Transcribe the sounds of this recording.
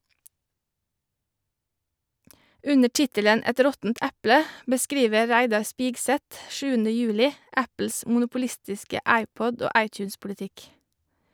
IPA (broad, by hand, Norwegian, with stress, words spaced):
ˈʉnə ˈʈɪtələn ˈɛt ˈɾɔtn̩t ˈɛplə bəˈskɾiːʋə ˈɹæɪdɑɾ ˈspɪɡsɛt ˈʃʉːənə ˈjʉːlɪ ˈæpl̩s mʊnʊpʊˈlɪstɪskə ˈæɪˌpɔd ˈoː ˈɑɪˌtjʉːnspʊlɪˌtɪk